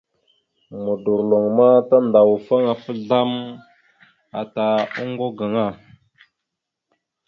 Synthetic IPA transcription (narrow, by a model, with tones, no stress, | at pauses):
mu˨du˨ɾlo˨ŋma˦ta˦nda˨wfa˦ŋa˨fə˦ɮa˦m | a˨ta˨u˦ŋɡo˦ɡa˨ŋa˦˨